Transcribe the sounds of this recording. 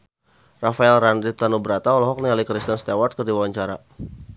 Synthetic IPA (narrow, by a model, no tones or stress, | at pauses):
rafaɛlranɾit̪anubəɾat̪aɔlɔɦɔk̚nialikɾist̪ənst̪ewart̪̚kərdiwawaɲt͡ʃaɾa̰